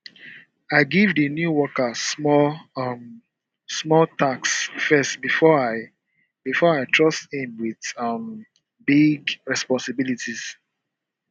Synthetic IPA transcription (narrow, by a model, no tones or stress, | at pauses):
aɪɡivdənjuwɔkəmɔm | smɔltaksfɛstbifɔaɪ | b̥ifɔaɪtʰɹɔsthĩmwiðʌm | biɡɹɛspɔ̃nsɪbilitʰiz̥